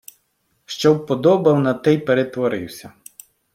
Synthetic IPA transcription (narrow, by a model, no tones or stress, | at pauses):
ʃt͡ʃɔwpɔd̪ɔbɐwnɐt̪ɛjpeɾet̪ʋɔɾɪ̰wsʲɐ